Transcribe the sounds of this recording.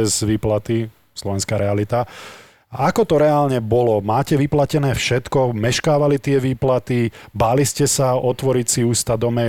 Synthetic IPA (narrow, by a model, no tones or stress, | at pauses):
ɛzʋiːplat̪i | slɔʋɛnskaːɾɛalit̪a | aakɔt̪ɔɾɛaːlɲɛbɔlɔmaːcɛʋiplacɛnɛːfʃɛt̪kɔmɛʃkaːʋalit̪ɪɛʋiːplat̪ibaːliscɛsaɔt̪ʋɔɾicsiuːst̪ad̪ɔmɛ